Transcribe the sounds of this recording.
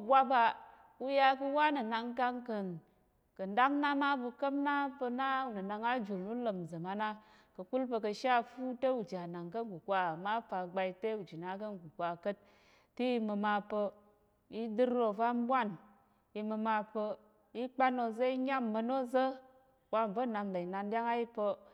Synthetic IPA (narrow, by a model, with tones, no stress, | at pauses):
bʷa˦ba˧ | u˦ja˧ku˧wa˦nə˨na˧ŋka˧ŋkə˨n | kə˨nda˦kna˦ma˦bu˧kə˦mna˦pə˧na˦u˨nɨ˨na˧ŋa˦d͡ʒu˨lnu˦lə˨mzə˨ma˦na˦ | kə˧ku˦lpə˧kə˧ʃa˦fu˦te˦u˨d͡ʒa˨na˨ŋkə˦ŋ˦ɡu˨kʷa˦a˨ma˦pa˧ɡ͡ba˧i˦te˦u˨d͡ʒi˨na˨˦k̬ə˦ŋ˨ɡu˨kʷa˧kə˦t̚ː | i˦i˧mə˧ma˧pə˧ | i˦dɨ˦ɾːo˧˨va˦m˦bʷa˦˨n | i˧mə˧ma˧pə˧ | i˦k͡pa˦no˧zə˦i˦ɲa˦mːə˧no˦zə˦ | kʷa˦˨m˨və˦˨na˧mla˨i˨na˧ndʲa˦ŋa˦i˦pə˧